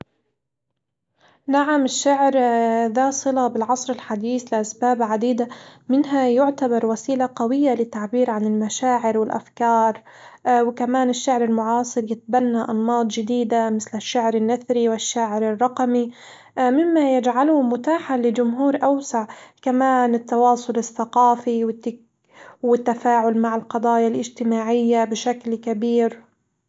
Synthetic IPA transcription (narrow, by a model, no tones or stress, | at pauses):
naʕamɪʃːaʕɾðasˤɨlabɪlʕɑsˤɾɪlħad̪iːθlɪʔasbaːbʕad̪iːd̪amɪnɦajʊʕt̪abɑɾˤwasiːlaqawɪjːalɪt̪ːaʕbiːɾʕanɪlmaʃaːʕɪɾwɪlʔa̰fkɑːɾˤ | wkamaːnɪʃːaʕɾɪlmʊʕɑːsˤɨɾjɪt̪̚banːaʔɑnmɑːd̪ˤd͡ʒɪd̪iːd̪amɪθlɪʃːaʕɾɪnːaθɾiwɪʃːaːʕɪɾɪrˤːɑqmi | mɪmːajɪd͡ʒʕalʊmʊt̪aːħalɪd͡ʒʊmɦuːɾʔawsaʕkamaːnɪt̪ːɑwɑːsˤʊlɪθːaqɑːfiwɪt̪ːɪ | wɪt̪ːafaːʕʊlmaʕɪlqɑd̪ˤɑːjalʔɪd͡ʒt̪ɪmaːʕɪjːabɪʃaklkabiːɾ